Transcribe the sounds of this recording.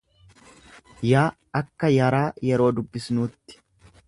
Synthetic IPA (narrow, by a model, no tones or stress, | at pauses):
jaː | ɐkːɐjɐɾaːjɛɾo̞ːd̪ʊbːɪsnuːt̪ːɪ̥